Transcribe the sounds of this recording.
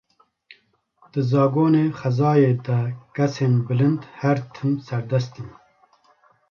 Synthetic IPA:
d̪̥ɨzɑːɡoːneːxɐzɑːjeːd̪ɛkɛseːnbɨlɨnd̪hæɾt̪ʰɨmsæɾd̪ɛst̪iːn

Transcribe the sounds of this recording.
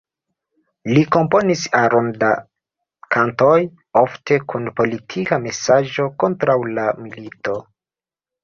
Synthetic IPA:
liko̞mpo̞nisaɾonda | kʰanto̞j | ofte̞kʰunpo̞litʰikame̞saʒo̞ko̞ntɾawlamilito̞

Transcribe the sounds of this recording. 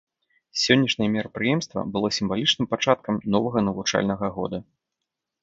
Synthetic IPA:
sʲɔnʲːɐʂnʲɐjɛmʲɛɾɐpɾɨjɛmst̪vɐ̰bɨlˠɔsʲimvalʲit͡ʂnɨmpat͡ʂat̪kɐmnɔvɐɣɐnɐvut͡ʂa̰lʲnɐɣɐɣɔ̰d̪ɐ

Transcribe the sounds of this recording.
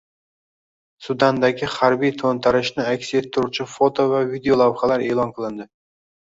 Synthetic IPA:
sʊd̪and̪aɡʲɪhaɾbijt̪ʰont̪ʰaɾɪʃnɪakʲset̪ʰːʊɾʊt͡ʃʰɪfot̪ʰo̞vavid̪eo̞lˠavχalaɾe̞ːlˠɒnqʰɨlˠɪnd̪ɪ

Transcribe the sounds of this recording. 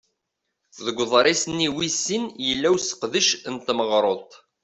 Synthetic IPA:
θðəɡʷːðˤɾˤisniwisːinjəlːæwsə̥qðəʃnt̪məʁɾˤoðˤt̪ˤ

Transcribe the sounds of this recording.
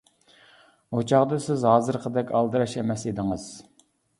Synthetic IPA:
hot͡ʃʰɑʁd̪ɨsɪzɦɑːzɨɾqʰəd̪ɛkʲɑlˠd̪ɨɾɑʃɛmɛsid̪ɪŋɨz̥

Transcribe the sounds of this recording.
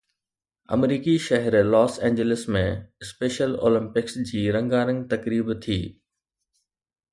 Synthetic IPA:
ɐ̰mɾiːkiʃɐɦɛɾlɔːsɛ̃ːɲd͡ʑelɪsmẽɪspeːʃəlo̰ːlə̃mpɪksd͡ʑiːɾɐ̃ŋɡaːɾə̃ŋɡt̪ɐkɾiːbt̪ʰiː

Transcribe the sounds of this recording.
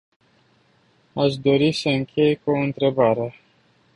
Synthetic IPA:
aʃd̪o̞ɾisəɨŋkʲʰe̞jkoɨnt̪ɾe̞baɾe

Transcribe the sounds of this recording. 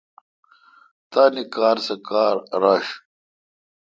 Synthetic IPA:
t̪aːnikaːɾsɐkaːɾɾaːɕ

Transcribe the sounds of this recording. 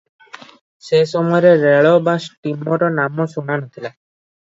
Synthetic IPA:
sesɔmɔjɔɾeɾeɭɔbasʈimɔɾɔnamɔsunanɔt̪ʰila

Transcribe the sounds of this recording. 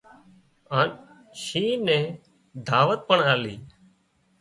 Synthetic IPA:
aːn | ʃiːnɛ̃ː | d̪ʱaːʋət̪̚pəɳaːliː

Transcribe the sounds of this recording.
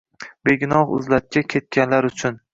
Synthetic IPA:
be̞ɡʲɪnɒhʊ̰zlat̪̚kʲakʲʰe̞t̪̚kʲʰanlaɾʊt͡ʃʰʊn

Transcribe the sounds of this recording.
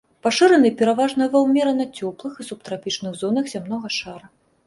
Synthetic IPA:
paʂɨɾɐnɨpʲɛɾavaʐnɐjɐvɐwmʲɛɾɐnɐt͡sʲɔplˠɨxisupt̪ɾapʲit͡ʂnɨɣzɔnɐxzʲamn̪ɔɣɐʂaɾɐ

